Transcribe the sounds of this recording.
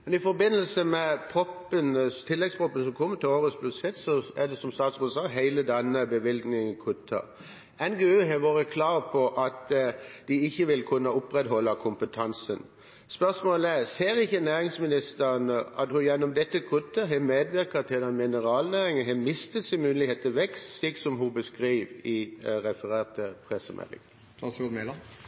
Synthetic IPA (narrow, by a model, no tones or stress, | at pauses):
mɛnɪfɔɾbɪnːəlsəmɛpʰɾɔpːənt̪ʰɪlːɛɡspʰʁɔpːənsɔmkʰɔmːət̪ɪloːɾəsblʉsɛt̪sɔæd̪ɛsɔmst̪ɑːt̪sʁuːd̪əsɑːɦæɪləd̪ɛnːəbəʋɪlɡ̪nɪŋənkʰʉt̪ʰːə̰ | ɛnɡeːøːɦɛʋoːɾəkʰlɑːʁpʰɔʔɑt̪d̪̥ɪɪçːəʋɪlkʰʉnːəʊpɾɛt̪ɦɔlːɑkʰʊmpət̪ʰɑnsən | spœʁsmoːləæʁseːɾɪçːənæːɾɪŋsmɪnɪst̪əɾnəɑt̪hʉjɛnːɔmd̪ɛt̪ːəkʰʉt̪ːəɦɛmeːd̪ʋɪɾkət̪ʰɪld̪ɛnmɪnəʁɑːlnæːʁɪŋənɦɛmɪst̪ət̪sɛɪmʉnlɪheːt̪əʋɛkst̪sliːksɔmɦʊbəskɾiːʋɪɾɛfəʁeːʁt̪əpʰʁɛsəmʔɛ̰lɪ̰ŋ | ɑsɔd̪melɑ